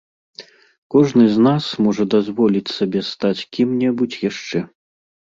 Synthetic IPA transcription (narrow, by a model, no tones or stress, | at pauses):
kɔʐnɨznasmɔʐɐd̪azvɔlʲit͡sʲsabʲɛst̪at͡sʲkʲimnʲɛbut͡sʲjaʂt͡ʂɛ